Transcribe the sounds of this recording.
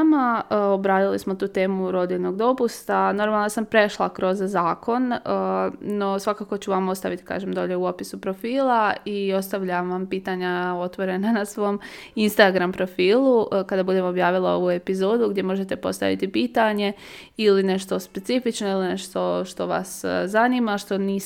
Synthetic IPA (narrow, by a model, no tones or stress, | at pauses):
maəobɾaːd̪ilismo̞t̪uːt̪e̞ːmuɾo̞d̪inoɡd̪o̞pust̪ano̞ɾmalˠnasampɾe̞ʃlˠa̰kɾo̞zzaːkʰo̞nəːo̞sʋakako̞t͡ɕuʋamo̞st̪aʋit̪i̥ka̰ːʒemd̪o̞ːʎe̞uo̞pisupɾo̞fiːlˠaio̞st̪aʋʎamʋampiːt̪aɲao̞t̪ʋo̞ɾe̞nanasʋo̞m | inst̪aɡɾampɾo̞fiːlˠukad̪abud̪e̞mo̞bjaːʋilˠao̞̰ʋue̞pizoːd̪uɡd̪je̞mo̞ʒe̞t̪e̞po̞̰st̪a̰ʋḭt̪ipiːt̪aɲe̞ | iline̞ʃt̪o̞spe̞t̪sifit͡ʃno̞iline̞ʃt̪o̞ʃt̪o̞ʋa̰szaniːmaʃt̪o̞niː